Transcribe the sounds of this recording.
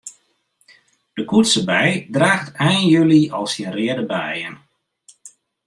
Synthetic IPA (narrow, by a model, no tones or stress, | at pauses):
d̥əkutsəbɛjdraːxtɛjnjøliɔlˠsjənrɪədəbɛjən